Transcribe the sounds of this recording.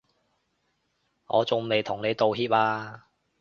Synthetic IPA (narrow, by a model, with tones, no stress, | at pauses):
ŋɔ̰ː˨˧t͡sʊ˨ŋme˨˧jt̪ʰʊ˨˩ŋne˨˧jt̪o˨whiː˧˥p̚laː˧